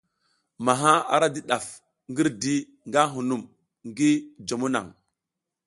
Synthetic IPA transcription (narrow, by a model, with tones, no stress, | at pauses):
ma˨ɦa˦a̰˨ɾa˦di˦ɗa˨f | ŋɡi˦ɾdi˦ | ŋɡa˦ɦu˨nu˨m | ŋɡi˦d͡ʒo˨mu˦na̰˨ŋ